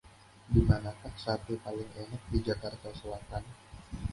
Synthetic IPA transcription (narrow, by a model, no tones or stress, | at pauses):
dimanakansat̪ipalɪŋenak̚did͡ʒakart̪asowat̪an